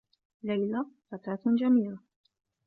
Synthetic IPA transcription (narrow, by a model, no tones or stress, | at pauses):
lajlafakaːt̪d͡ʒamiːla